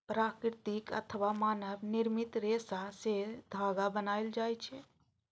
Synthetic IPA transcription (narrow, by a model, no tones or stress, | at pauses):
pɾakɾt̪ikə̰t̪ʰəʋamaːnəbniɾmit̪ɾesased̪ʱaɡabənajld͡ʒajt͡ʃʰɛ